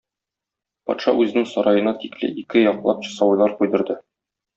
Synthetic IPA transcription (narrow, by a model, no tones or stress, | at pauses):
pɒ̰t̪ʃɑ̰ʉzɘ̆nɘŋsɒɾʔɑjɤ̆nɑt̪iklɘ̰ʔikɘjɒqlˠɑp̚ɕɤ̥̆sɑwɤjlˠɑɾqujd̪ɤ̆ɾd̪ɤ